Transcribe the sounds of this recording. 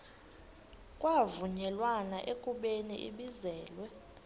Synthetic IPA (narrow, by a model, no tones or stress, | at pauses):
kʼwavuɲɛlwanaʔekʼuɓenḭʔḭɓizɛːlwɛ